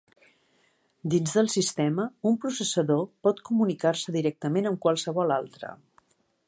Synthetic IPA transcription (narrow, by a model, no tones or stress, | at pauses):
d̪inzðəlˠsist̪ɛməumpɾusəsəðopɔt̪kumunikarsəðiɾɛk̚t̪əmenəmkwəlˠsəβɔlalˠt̪ɾə̰